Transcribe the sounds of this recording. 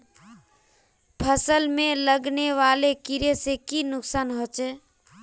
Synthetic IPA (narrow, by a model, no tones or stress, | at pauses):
pʰəsəlmeləɡneʋalekiɾesekinʊksanɦot͡ʃɛ